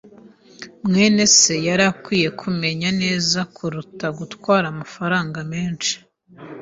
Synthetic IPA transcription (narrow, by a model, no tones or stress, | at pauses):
mŋe̞ːne̞se̞jaɾakwiːje̞kʰume̞ɲane̞ːzakʰuɾutaɡutwaːɾamafaɾaːŋɡameːnt͡ʃi̥